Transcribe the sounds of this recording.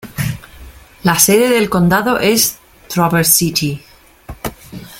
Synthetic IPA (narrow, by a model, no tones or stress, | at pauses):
laseðe̞ðe̞lko̞nd̪aðo̞ʔes | t̪ɾoβeɾsit̪i